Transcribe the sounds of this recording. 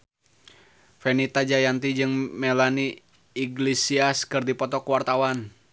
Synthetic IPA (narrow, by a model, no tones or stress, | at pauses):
fɛnit̪ad͡ʒajant̪id͡ʒɨŋmɛlaniː | ɡlesiaskɨrdipɔt̪ɔkuwart̪awan